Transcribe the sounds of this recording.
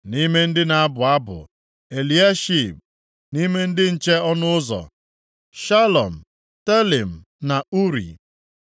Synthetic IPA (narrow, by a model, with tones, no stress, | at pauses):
ni˦me˦n̩˦dɪ˦na˨a˦bʊ˨a˦bʊ̰˨ | e˨li˨a˦ʃi˦˨p̚ | ni˦me˦n̩˦dɪ˦n̩˦t͡ʃe˦ɔ˦nʊ˦ʊ˦zɔ̰˨ | ʃa˦lɔ˨m̩˨ | te˦li˨m̩˨ | na˨u˦ɾḭ˨